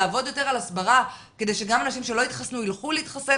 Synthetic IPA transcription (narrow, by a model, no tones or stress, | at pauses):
aːvo̞djote̞ʁalasbaʁa | ke̞d̪e̞jʃeɡamanaʃimʃe̞lo̞it̪χasnuilχuleitχase